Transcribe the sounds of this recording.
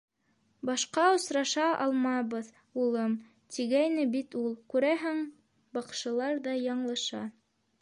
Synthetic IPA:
bɑʃqɑŏsɾɑʃɑʔɑ̰lˠmɑβɤð | ulˠɤm | t̪ʰiɡæjnɘbit̪ulˠkʉɾæɦɘŋ | bɑqʃɤ̆lˠɑɾðɑjɑɴlˠɤ̆ʃɑ

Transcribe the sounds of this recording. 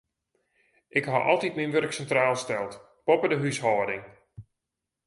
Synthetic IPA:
ʔɪkhaʔɔ̰lˠtitminʋørksɛntraːlˠstɛlˠt | popədəɦyshɔːdɪŋ

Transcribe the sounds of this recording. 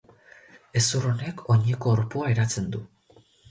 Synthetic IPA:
e̞suro̞nekʰo̞ɲiko̞ːɾpoaeɾat͡se̞nd̪u

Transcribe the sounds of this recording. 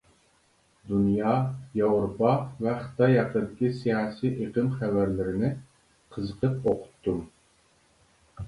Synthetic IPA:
d̪unjɑjɑwɾopɑvɛχə̥t̪ʰɑjːɑqəd̪ɪkʲʰisijɑːsiʔeqəmχævæɾlɪɾɪnɪ | qʰəzəqəp̚oqʰʊ̥t̪ʰːum

